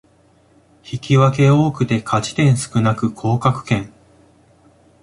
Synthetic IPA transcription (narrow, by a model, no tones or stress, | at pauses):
çikʲiβake̞o̞ːkɯ̟t̪e̞kʰat͡ɕi̥t̪ẽ̞ɰ̃sɨ̥kɯ̟nakɯ̟kʰo̞ːkakɯ̟̥kẽ̞ŋ